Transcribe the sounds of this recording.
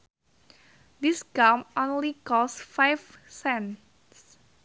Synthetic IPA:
d̪isɡ̥amõnlikɔsfajfsɛn | s

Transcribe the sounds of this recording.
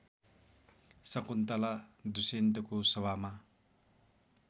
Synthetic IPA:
sʌkunt̪alad̪usent̪ʌkosʌβama

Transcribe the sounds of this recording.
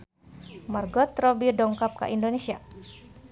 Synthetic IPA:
marɡɔt̪rɔbidɔŋkap̚ka̰ʔindonesia

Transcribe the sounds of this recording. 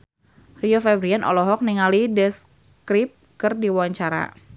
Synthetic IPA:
riofɛbɾianʔɔ̰lɔɦɔk̚niŋalidɛs | kɾip̚kərdiwawaɲt͡ʃaɾa̰

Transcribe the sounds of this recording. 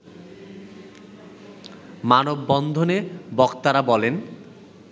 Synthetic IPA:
manobːɔnd̪ʱonebɔkt̪aɾabɔlen

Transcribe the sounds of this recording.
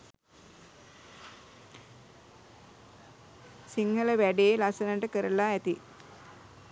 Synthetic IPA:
siŋɡələʋæɖeelɐsɐnəɳɖəkəɾəlaæt̪i

